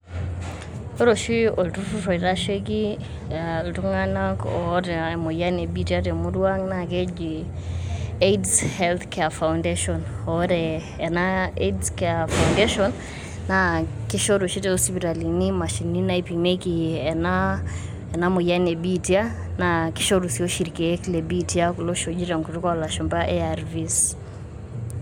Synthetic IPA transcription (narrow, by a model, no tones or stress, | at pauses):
oɾoʃioltuturoiɾaʃek̬i | ltuŋanakoɾɛmojanebitiatemudwaŋnaked͡ʒi | edshɛlt̪kɛafaʊndeʃɔnɔɾɛ | ɛnaedskɛafaundeʃɔnː | akɪʃɔɾuʃitɛɔspitalinimaʃininaipimekiɛna | ɛnamojanebitia | naki̥ʃɔɾusiɔʃiɾikɛɛkilɛbitiakulɔʃod͡ʒitaŋkutukalaʃɔmbaʔɛaɾvis